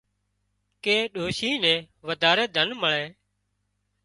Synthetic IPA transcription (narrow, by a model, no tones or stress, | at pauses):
keːɗoːʃiːnɛ̃ː | ʋəd̪ʱaːɾeːd̪ʱənməɳẽː